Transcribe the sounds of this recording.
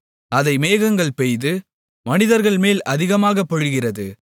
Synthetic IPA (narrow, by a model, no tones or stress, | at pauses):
ɐðɐɪmeːɣɐŋɡɐɭpɛjðɯ | mɐnɪðɐɾɣɐɭmeːlʔɐðɪɣɐmaːɣɐpːɔɻɯɣɪrɐðɯ